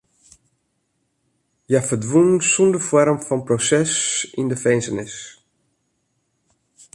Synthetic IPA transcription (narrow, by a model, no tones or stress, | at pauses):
jafərdʋunsundəfɔrmfɔnprosɛsindəfɛjnsənɪs